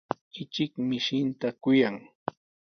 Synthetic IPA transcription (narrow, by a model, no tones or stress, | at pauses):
ɪt͡ʃɪkmɪʃɪnt̪akʊjaŋ